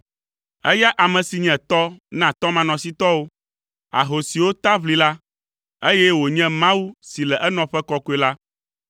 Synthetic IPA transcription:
ɛ̰˦ja˦ʔa˨mɛ̃˨si˨ɲɛ̃˨t̪ɔ˦nã˨t̪ɔ˦mã˨nɔ̃˨si˦t̪ɔ˦wo˦ | a̰˨ɦo˨si˨wo˦t̪a˦βli˨la˦ | e˦jɛ˦wo˨ɲɛ̃˦mã˦wu˦si˨lɛ˨ʔɛ˦nɔ̃˨ɸɛ˦kɔ˦ko˦e˨la˦

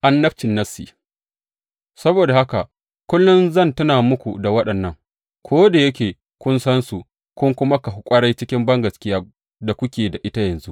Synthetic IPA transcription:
ʔa˦nːɐ˦ɸt͡ʃɪ˨nːɐ˦sḭː˨ | sɐ˦boː˨da˨ha˦ka˨ | kʷʊ˦lːʊ˦nzɐ˦˨ntʊ˦naː˨mʊ˦kʷu˨da˨wɐ˦ɗɐ˨nːɐ˦ŋ | kʷʰoː˦da˨jɐ˦kʲeː˨ | kʷʊ˦nsɐ˦nsu˨ | kʷʊ˦ŋkʷʊ˦ma˦ka˨ɦʊ˨kʷʼɐ˦ɽa˦jt͡ʃɪ˦kʲɪ˦mbɐ˦ŋɡɐ˨skʲɪ˦jaː˦ | da˨kʷʊ˦kʲeː˨da˨ʔɪ˦ta˦jɐ˨nzṵ˦ʔ

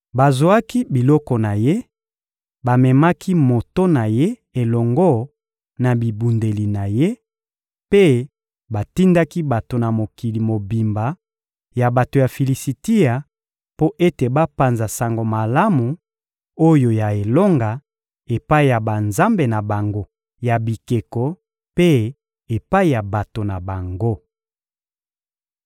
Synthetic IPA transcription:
ba˨zo˨a˦ki˦bi˨lɔ˦kɔ˨na˨je˦ | ba˨mɛ˨ma˦ki˦mo˨to˦na˨je˦e˨lɔ˨ŋɡɔ˦ | na˨bi˨bu˨nde˨li˨na˨je˦ | pe˦ | ba˨ti˦nda˦ki˦ba˨to˨na˨mo˨ki˨li˨mo˨bi˨mba˨ | ja˨ba˨to˨ja˨fi˨li˨si˨ti˦a˨ | po˦ʔe˦te˨ba˦pa˨nza˨sa˨ŋɡo˨ma˨la˦mu˨ | o˦jo˨ja˨e˨lo˦ŋɡa˨ | e˨pa˦i˨ja˨ba˨nza˦mbe˨na˨ba˨ŋɡo˦ | ja˨bi˨ke˨kɔ˨ | pe˦ | e˨pa˦i˨ja˨ba˨to˨na˨ba˨ŋɡo˦

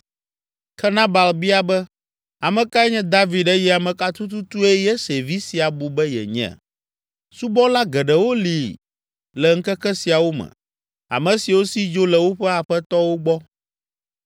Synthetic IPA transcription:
kʰɛ˦nã˦ba˨lbi˦a˨bɛ˦ | a˨mɛ̃˨ka˦ɛ˦ɲɛ̃˦d̪a˦vi˨ɖɛ˦jɛ˦a˨mɛ̃˨ka˦t̪u˦t̪u˦t̪u˦ɛ˦jɛ˦se˨vi˦si˨a˨bu˨bɛ˦jɛ̰˨ɲɛ̰̃˨ | su˦bɔ˦la˦ɡɛ˨ɖɛ˨wo˦li˨ | lɛ˨ŋ̩˦kɛ˦kɛ˦si˨a˨wo˦mɛ̰̃˨ | a̰˨mɛ̃˨si˨wo˦si˦d͡ʒo˦lɛ˨wo˦ɸɛ˦a˨ɸɛ˦t̪ɔ˦wo˦ɡ͡bɔ˦

